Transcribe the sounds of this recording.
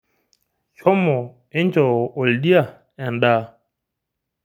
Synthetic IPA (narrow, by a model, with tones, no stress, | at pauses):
ʃɔ˦mɔ˨ | e˦nd͡ʒɔ˨o˨ldi˦a˨ | ɛ˨nda˦˨